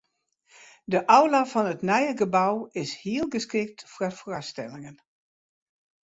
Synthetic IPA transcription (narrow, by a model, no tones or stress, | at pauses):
dəʔawlafɔnətnɛjəɡəbawɪshiəlˠɡəskrɪk̚tfrarfrastɛlˠɪŋən